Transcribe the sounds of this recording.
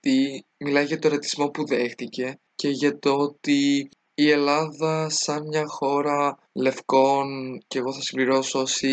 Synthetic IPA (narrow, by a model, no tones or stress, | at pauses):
t̪imilɐʝɐt̪oɾɐt̪i̥zmo̞puðexθice̞ | ce̞ʝɐt̪ot̪iː | e̞lɐðɐsɐnmɲɐxo̞ɾɐ | le̞fko̞nce̞ːɣo̞θɐsimbliɾo̞soosi